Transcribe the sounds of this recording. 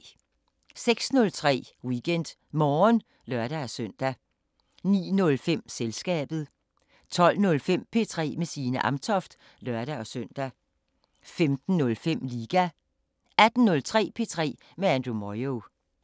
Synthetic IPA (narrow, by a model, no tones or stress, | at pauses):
seɡ̥snɔ̽lt͡sʰʁɛ̰ːwiɡ̥en̰d̥ | mɒːn | lɶɐ̰ɾ̥ææsøn̰d̥æ | nḭːnɔ̽lfem̰selsɡ̥ɛ̰ːb̥ð̞̩ˠ | t͡sʰɒ̽l̰nɔ̽lfem̰pʰe̝ːt͡sʰʁɛ̰ːmesiːnəʔɑ̈mt͡sʰɒ̽fd̥ | lɶɐɾ̥æɒ̽søn̰d̥æ | femd̥n̩ːɔ̽lfem̰liːɡ̥æ | æd̥n̩nɔ̽lt͡sʰʁɛ̰ːpʰe̝ːt͡sʰʁɛ̰ː | meænd̥ʁumɒɪo